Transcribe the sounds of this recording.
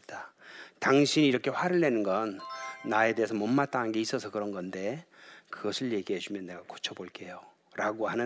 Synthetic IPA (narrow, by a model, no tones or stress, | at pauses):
tataŋɕʰiniːɾʌkʰe̞ɸwaɾɯɭːe̞nɯnɡʌnːae̞de̞ɦesʰʌmʌmːat͈aŋanɡe̞is͈ʌsʰʌkɯɾʌnɡʌnde̞kɯɡʌsʰɯɭje̞ɡiɦeɕʰimjʌnːe̞ɡako̥t͡ɕʰʌboɭk͈e̞jo | ɾaɡohanɯ